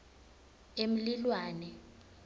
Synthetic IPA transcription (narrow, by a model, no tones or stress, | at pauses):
em̩lilwaːnɛ